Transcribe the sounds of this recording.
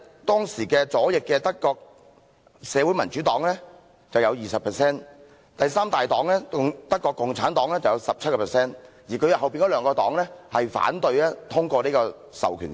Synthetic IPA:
t̪ɔː˥ŋsiː˨˩kɛː˧t͡sɔː˨˥jɪ˨kːɛː˧t̪ɐ˥kːɔː˧k̚ | sɛː˨˧wuː˨˥jmɐ˨˩nt͡ʃy˨˥t̪ɔː˨˥ŋlɛː˥ | t͡sɐ˨wjɐ˨˧wjiː˨˩sɐ˨pʰɛː˨˩sɛː˥n | t̪ɐ˨jsaː˥mt̪aː˨jt̪ɔː˨˥ŋlɛː˥t̪ɐ˥kːɔː˧kːʊ˨ŋt͡sʰaː˨˥nt̪ɔː˨˥ŋlɛː˥t͡sɐ˨wjɐ˨˧wsɐ˨p̚t͡sʰɐ˥t̚kɔː˧pʰːsɛː˥n | jiː˨˩kʰɵ˨˧ɥjɐ˨whɐ˨wpiː˨nkɔ˨˥lœː˨˧ŋkɔː˧t̪ɔ̰ː˨˥ŋlɛː˥hɐ˨jfa̰ː˨˥nt̪ɵ˧ɥlɛː˥t̪ʰʊ˥ŋkɔː˧niː˥kɔː˧ | sɐ̰˨wkʰyː˨˩n

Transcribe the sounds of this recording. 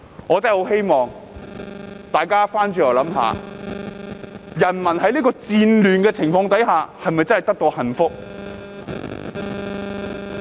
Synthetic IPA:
ŋɔː˨˧t͡sɐ˥˨ho˨˥wɦe˥jmɔː˨ŋ | t̪aː˨jkaː˥faː˥nt͡ʃyː˧˩jɐ˨˩lɐ˨˥mɦa̰ː˨ | jɐ˨˩nmɐ˨˩nhɐ˨˥jliː˥kɔː˧t͡siː˧nlyː˨nkɛː˧t͡sʰɪ˨˩ŋfɔː˧ŋt̪̬ɐ˨˥jɦaː˨˧hɐ˨jmɐ˨jt͡sɐ˥nhɐ˨jt̪ɐ˥k̚t̪o˧whɐ˨˩nfʊ˥k̚

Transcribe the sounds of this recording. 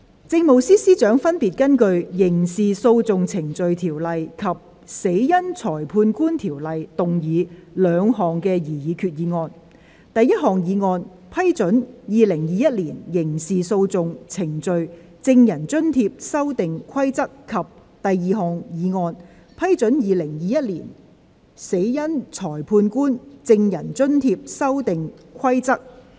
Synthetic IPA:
t͡sɪ˧ŋmo˨wsiː˥siː˥t͡ʃœː˨˥ŋfɐ˥npiː˨t̚kɐ˥nkɵ˧ɥjɪ˨˩ŋsiː˨so˧wt͡sʊ˨ŋt͡sʰɪ˨˩ŋt͡ʃɵ˨ɥt̪ʰiː˨˩wlɐ˨jkʰɐ˨p̚ | se˨˥jjɐ˥nt͡sʰɔː˨˩jpʰuː˧nkuː˥nt̪ʰiː˨˩wlɐ˨jt̪ʊ˨ŋjiː˨˧lœː˨˧ŋɦɔː˨ŋkɛː˧jiː˨˩jiː˨˧˥kʰyː˨t̚jiː˨˧ŋɔː˧n | t̪ɐ˨jːɐ˥t̚ɦɔː˨˩ŋjiː˨˧ŋɔː˧n | pʰɐ˥jt͡sɵ˨˥njiː˨˧lɪ˨˩ŋjiː˨jɐ˥t̚liː˨˩njɪ˨˩ŋsiː˨so˧wt͡sʊ˨ŋt͡sʰɪ˨˩ŋt͡sɵ˨ɥ | t͡sɪ˧ŋjɐ˨˩nt͡sɵ˥nt̪ʰiː˧p̚sɐ˥wt̪ɪ˨ŋkʷʰɐ˥jt͡sɐ˥kkʰːɐ˨p̚ | t̪ɐ˨jːiː˨˧ɦɔː˨ŋjiː˨˧ŋɔː˧n | pʰɐ˥jt͡sɵ˨˥njiː˨˧lɪ˨˩ŋjiː˨˧jɐ˥t̚liː˨˩n | se˨˥jjɐ˥nt͡sʰɔː˨˩jpʰuː˧nkuː˥nt͡sɪ˧ŋjɐ˨˩nt͡ʃɵ˥nt̪ʰiː˧p̚sɐ˥wt̪ɪ˨ŋkʰɐ˥jt͡sɐ˥k̚

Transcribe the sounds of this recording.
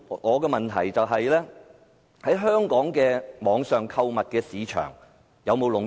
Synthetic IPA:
ŋɔː˨˧kɛː˧mɐ˨˩nt̪ʰɐ̰˨˩jt͡sɐ˨wɦɐ˨jlɛː˥ | hɐ˨˥jɦœː˥ŋkɔː˨˥ŋkɛː˧mɔː˨˧ŋsœː˨ŋkʰɐ˧wmɐ˨t̚kɛː˧siː˨˧t͡ʃʰœ̰ː˨˩ŋ | jɐ˨˧wmo˨˧wlʊ˨ŋ

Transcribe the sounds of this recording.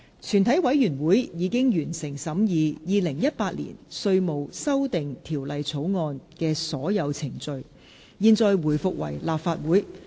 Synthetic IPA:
t͡ʃʰyː˨˩nt̪ʰɐ˨˥jwɐ˨˥jjyː˨˩nwuː˨˥jjiː˨˧˥kɪ˥ŋjyː˨˩nsɪ˨˩ŋsɐ˨˥mjiː˨˧jiː˨˧lɪ˨˩ŋjɐ˥t̚paː˧t̚lḭː˨˩nsɵ˧ɥmo˨wsɐ˥wt̪ɪ˨ŋt̪ʰiː˨˩wlɐ˨jt͡sʰo˨˥wŋɔː˧nkɛː˧sɔː˨˥jɐ˨˧wt͡sʰɪ˨˩ŋt͡sɵ˨˧ɥ | jiː˧nt͡sɔː˧jwuː˨˩jfʊ˨k̚wɐ̰˨˩jlaː˨pfaː˧t̚wuː˨˥j

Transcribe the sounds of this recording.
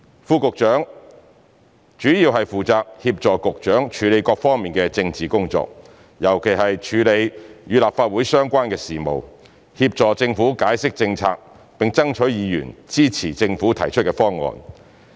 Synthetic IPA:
fuː˧kʊ˨k̚t͡ʃœː˨˥ŋ | t͡ʃyː˨˥jiː˧wɦɐ˨jfuː˨t͡saː˧k̚hiː˧p̚t͡ʃɔː˨kʊ˨k̚t͡ʃœː˨˥ŋt͡ʃʰyː˨˥le˨˧jkɔː˧k̚fɔː˥ŋmiː˨˩nkɛː˧t͡sɪ˧ŋt͡siː˨kʊ˥ŋt͡sɔ̰ː˧k̚ | jɐ˨˩wkʰe˨˩jɦɐ˨jt͡ʃʰyː˨˧le˨˧jjyː˨˧laː˨p̚faː˧t̚wuː˨˥jsœː˥ŋkʷaː˥nkɛː˧siː˨˩mo̰˨w | hiː˧p̚t͡sɔː˨˩t͡sɪ˧ŋfuː˨˥kaː˨˥jsɪ˥k̚t͡sɪ˧ŋt͡sʰa̰ː˧k̚ | pɪ˨˩ŋt͡sɐ˥ŋt͡ʃʰɵ˨˥jjiː˨˧jy̰ː˨˩nt͡siː˥t͡sʰiː˨˩t͡sɪ˧ŋfuː˨˥t̪ʰɐ̰˨˩jt͡ʃʰɵ˥t̚kɛː˧fɔː˥ŋːɔ̰ː˨n

